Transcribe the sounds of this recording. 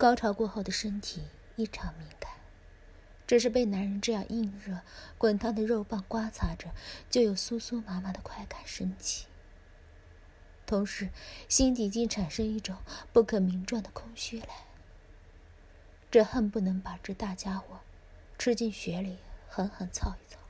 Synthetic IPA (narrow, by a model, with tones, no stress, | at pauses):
kɑ˥ʊʈ͡ʂʰɑ˧˥ʊkwɔ˥˧xo˥˩ʊd̪ə˩ʂə˥nt̪ʰi˨˩ | i˥˩ʈ͡ʂʰɑ˧˥ŋmi˧˥ŋka˨˩˦ɪ | ʈ͡ʂɤ˥˧ʂ̬ɻ̩˥˧pe˥˩ɪna˧˥nɻə˧˥nʈ͡ʂɤ˥˧jɑ̰˥˧ŋʔi˥˧nɻɤ˥˩kwa˥nt̪ʰa˥d̪ə˨ɻo˥˧ʊpa˥˩ŋkwa˥t͡sʰa˧˥ʈ͡ʂə˩t͡ɕjo˥˩ʊjo˨˩ʊsu˥su˥ma˧˥nma˨˧d̪ə˩kʰwa˥˩ɪka˨˩nʂə˥nt͡ɕʰi̥˥˩ | t̪ʰʊ˧˥ŋʂɻ̩˧˥ɕi˥nt̪i˨˩t͡ɕi˥˩nʈ͡ʂʰa˨˩nʂə˥ŋi˥˩ʈ͡ʂʊ˨˩˦ŋpu˥˩kʰɤ˨˩mi˧˥ŋʈ͡ʂwa˥˩ŋd̪ə˩kʰʊ˥ŋɕy˥˩la˧˥ɪ | ʈ͡ʂɤ˥˧xə˥˧npu˥˩nɤ˧˥ŋpa˨˩ʈ͡ʂɤ˥˧t̪a˥˩t͡ɕja˥xwɔ˨˩˦ | ʈ͡ʂʰɻ̩˥t͡ɕi˥˩nɕɥɛ˧˥li˨˩˦xə˧˥nxə˨˩nt͡sʰɑ˥˧ʊi˧˥˩t͡sɑ˥˩˦